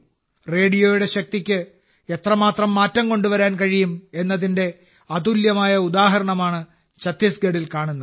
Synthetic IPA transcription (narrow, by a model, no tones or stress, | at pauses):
re̞ːɽijo̞ːjuɽe̞ɕɐk̚t̪ikʲːɨ | et̪rɐmaːt̪rɐmːaːtːɐmko̞ɳɖuʋɐɾaːnkɐɻijume̞nːɐðinde̞ | ɐd̪uljɐmaːjɐud̪aːɦɐɾɐɳɐmaːɳɨ | t͡ɕɐt̪ːisɡeɽilkaːɳunːɐ